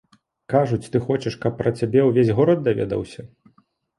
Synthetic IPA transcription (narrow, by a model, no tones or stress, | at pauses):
kaʐut͡sʲt̪ɨxɔt͡ʃɛʂkɐpːɾɐt͡sʲabʲɛwvʲezʲɣɔɾɐd̪̚ːavʲɛ̰d̪ɐ̰wsʲɐ